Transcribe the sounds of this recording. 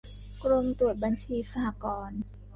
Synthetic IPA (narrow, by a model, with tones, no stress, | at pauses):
kɾo˧mt̪u˨˩ət̪̚ba˧nt͡ɕʰiː˧sa˧ha˧˩kɔː˧n